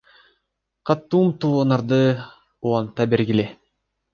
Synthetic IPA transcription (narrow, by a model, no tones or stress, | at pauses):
qɑt̪ːumt̪uːonɑɾd̪ɯ | ulɑnt̪ɑbeɾɡile